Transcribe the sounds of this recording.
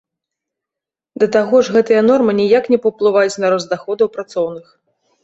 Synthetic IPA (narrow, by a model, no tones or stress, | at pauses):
d̪ɐt̪aɣɔʐɣɛt̪ɨjɐn̪ɔrmɨnʲijaknʲɛpɐwplˠɨvajut͡sʲnɐɾɔzd̪axɔd̪ɐwpɾat̪sɔwnɨx